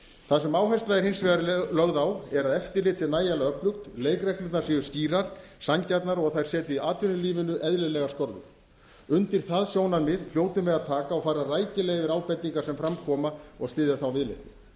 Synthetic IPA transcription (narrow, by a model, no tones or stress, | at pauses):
θaðsɛmaːwɦajst̪laðɪɾ̥hɪnsvɛɣaɾlœɣðawɛɾaðɛft̪ɪlɪt̪sɪnaːjalaœplʏxt̪leːjkrɛklɪnnasiːʏ̥sciːɾaɾ̥ | saɲcaɾt̪naɾɔɣθajɾ̥sɛːt̪ɪiaːt̪ʏnʏliːvɪnʏʔɛðlɪðlɛɣḁskɔɾðʏ̰ɾ̥ | ʏnt̪ɪɾ̥θaðsjoːwnanmɪðfljoːwt̪ʏmvɛðaðt̪ʰaːkaɔɣfaːɾaraːjcɪlɛːɣvɪɾaːwpɛt̪niŋkaɾ̥sɛmfɾamkʰɔːmaɔɣst̪ɪːðɪθawvɪlɪ̰t̪